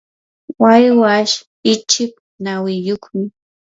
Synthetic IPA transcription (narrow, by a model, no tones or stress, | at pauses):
wajwaʃ | ɪt͡ʃɪp̚ | nawɪjoχmɪ